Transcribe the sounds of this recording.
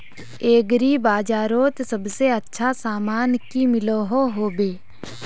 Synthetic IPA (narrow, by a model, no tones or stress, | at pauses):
eːɡɾibaːd͡ʒaːɾoːt̪səbseətːʃʰasaːmaːnkimɪloːɦoɦoːbeː